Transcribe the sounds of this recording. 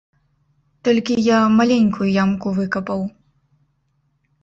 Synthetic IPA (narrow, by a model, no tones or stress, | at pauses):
t̪ɔlʲkʲijamalʲɛnʲkujujamkuvɨkɐpɐw